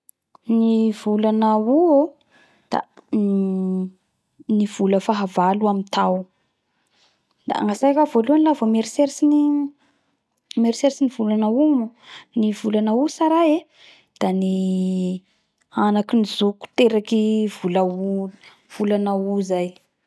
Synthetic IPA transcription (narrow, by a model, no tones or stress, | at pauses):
nivulanauo | d̪̥a̰ | niv̥uləfaɦavaluamint̪aw | d̪a̰ŋasajkavoluanlavomeɾiseɾsini | meɾiseɾsiniv̥ulanaumunivulanausaɾae | d̪̥ani | anakinizuku̥t̪eɾakivulau | v̥ulanauzaj